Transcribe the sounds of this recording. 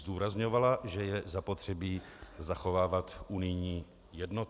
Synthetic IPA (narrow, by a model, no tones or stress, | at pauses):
duːɾazɲovalaʒɛjɛzapo̞t̪r̝̥ɛbiːzaxo̞vaːvat̪ʔunɪjɲiː | jɛdno